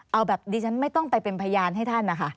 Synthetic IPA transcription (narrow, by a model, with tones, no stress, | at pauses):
ʔa˧wbɛː˨˩p̚diː˧t͡ɕʰa˦˥nma˥˩jt̪ɔ˥˩ŋt̪a˧˩jpe˧npʰa˧jaː˧nɦa˥˩jt̪ʰa˥˩nːa˦˥kʰa˦˥˩